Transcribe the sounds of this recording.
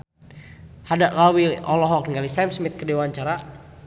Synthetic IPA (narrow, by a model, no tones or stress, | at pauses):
hadaʔlawiɔlɔɦɔk̚ŋɡalisamsmit̪̚kədewaɲt͡ʃaɾa